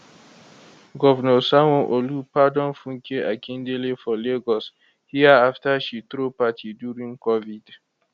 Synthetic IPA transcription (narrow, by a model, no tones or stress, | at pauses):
ɡɔvnɔsawɔ̃ʔolupadɔ̃nfũŋkʰeʔakʰĩndelefɔleɡɔs | hiaaftaʃit̪ɾopatʰidjuɹĩŋkɔvid